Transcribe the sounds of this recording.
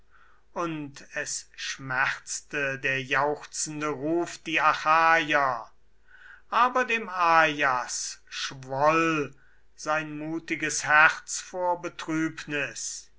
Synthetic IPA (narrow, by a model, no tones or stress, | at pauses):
ʔʊntʰɛsʃmɛʁt͡stədeːɐjaʊxt͡sn̩dəʁuːfd̥iːaxaːjɐ | ʔaːbɐdeːmaːjasʃvɔl | z̥aɪnmuːtɪɡəshɛʁt͡sfoːɐbətʁ̥yːpnɪs